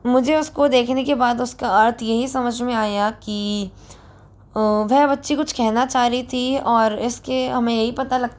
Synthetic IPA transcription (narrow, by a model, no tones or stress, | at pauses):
mʊd͡ʒʱeʊskod̪eːkʰnekebaːd̪ʊskaɐɾt̪ʰjɐɦisɐməd͡ʒʱmẽaːjaki | ʋɛɦbɐtːʃikʊt͡ʃʰkɛɦnat͡ʃaːɾit̪ʰiɔːɾɪskeɦɐmẽjɐɦipɐt̪alɐɡ̚t